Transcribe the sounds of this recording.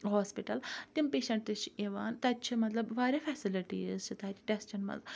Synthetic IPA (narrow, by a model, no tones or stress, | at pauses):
ɦoːspiʈɐlt̪impeːʃɐɳʈɨt͡ʃʰeʋaːnt̪ɐt͡ʃʰimɐt̪lɐbʋaːɾʲefʰɛːsiliʈḭːzt͡ʃʰit̪aːt̪i̥ʈest͡ʃɐɳmɐ̰n